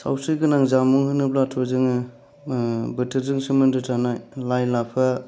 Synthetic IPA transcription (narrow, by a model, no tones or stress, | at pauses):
sa̰wsɯɡɯnaŋzamuŋhɯnɯplatʰozɯŋɯ | bɯtʰɯɾzɯŋsɯmɯndɯtʰanajlajlapʰa